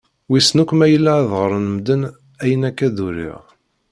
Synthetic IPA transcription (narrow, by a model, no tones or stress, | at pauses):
wisnukʷːmæjəlːaðʁəɾˤənəmd̪ən | æjənækːæðuɾḭʁ